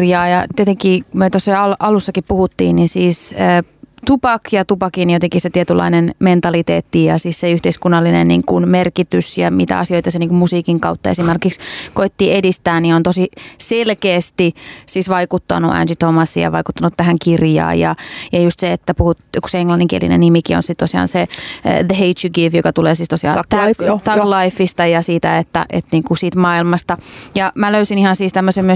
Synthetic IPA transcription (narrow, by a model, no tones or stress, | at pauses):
rjɑːjɑt̪iet̪eŋkiːmyøt̪osːɑɑlʔɑlusːɑkippuhut̪ːḭːninsiːsəː | t̪upɑkjɑt̪upɑkinjot̪eŋkiset̪iɛt̪ylːɑ̰inenment̪ɑlit̪ḛːt̪ːijɑsiːsseyht̪eiskunːɑlːinḛnnḭːŋkunmerkit̪ysjɑ̰mit̪æ̰ɑ̰sioit̪ɑseniːkummusiːkiŋkɑut̪ːɑesimerkikskoit̪ːiːedist̪æːnniont̪osiselkeːst̪isiːsʋɑikut̪ːɑ̰nuʔæ̰nsit̪omɑsːḭjɑ̰ʋɑiku̥t̪ːɑnut̪t̪æhæŋkirjɑ̰ːjɑ̰jɑjust̪seet̪ːæpuhut̪ku̥seeŋlɑnːiŋkiḛlḭnḛnnimikio̰nsit̪t̪osiɑ̰ːnseðəɦeit̪juɡifjokɑt̪uleːsiːst̪osiɑ̰ːt̪ɑklɑifːist̪ɑjɑsiːt̪æet̪ːæ̰ʔḛt̪niːŋkusiːt̪mɑːilmɑst̪ɑjɑmæløysinihɑnsiːst̪æmːøsemmyø